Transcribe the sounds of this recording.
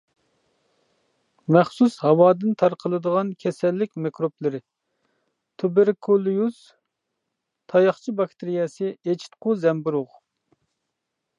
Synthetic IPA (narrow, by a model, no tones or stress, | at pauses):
mɛχsushɑwɑːd̪ɪnt̪ʰɑɾqʰəlˠɨd̪əʁɑnkʲʰɛsɛlːɪkʲmekɾoplˠɨɾɪ | t̪ʰubeɾkʰolˠujus | t̪ʰɑjɑχt͡ʃʰibɑkt̪ʰɪɾijɛsɪet͡ʃʰi̥t̪̚qʰʊzɛmbuɾʊʁ